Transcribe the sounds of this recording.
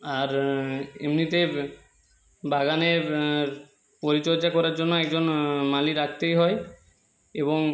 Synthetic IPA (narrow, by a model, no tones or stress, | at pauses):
aɾḛmnit̪e | baɡaneɾ | poɾit͡ɕoɾd͡ʑakɔɾaɾd͡ʑonːoɛk̚d͡ʑonmaliɾakʰt̪ejɦɔe | eboŋ